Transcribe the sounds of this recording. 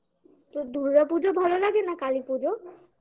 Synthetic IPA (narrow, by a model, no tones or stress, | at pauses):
t̪od̪uɾːapud͡ʑobʱalolaɡenakalipud͡ʒo